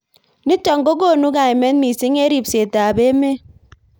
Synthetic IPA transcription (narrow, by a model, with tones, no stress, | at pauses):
ni˦tɔ˨ŋɡo˦ɡo˦˨nu˦ɡa˨jme˦nmi˨si˦ŋe˦ɾi˦˨pse˨ta˨be˦me˦